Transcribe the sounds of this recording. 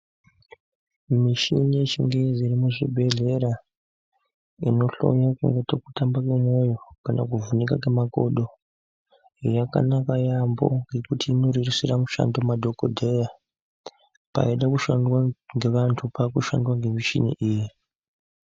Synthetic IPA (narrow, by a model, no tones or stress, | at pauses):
miʃḭnije̞t͡ʃiŋɡeziɾimuʐibʱe̞ɮe̞ɾa | ino̞ɬo̞̰jakuŋɡetoku̥tambakemwo̞jo̞kana̰k̬uvunikakemako̰ɗo̞ | jaka̰nakajambo̰ŋɡe̞kutiːno̞ririsiramuʃa̰ndo̞madʱo̞ko̰dʱeja | pa̰iɗakuʃandwaŋɡe̞ʋantʰupakuʃa̰ndwaŋɡe̞miʃḭnḭʔiːji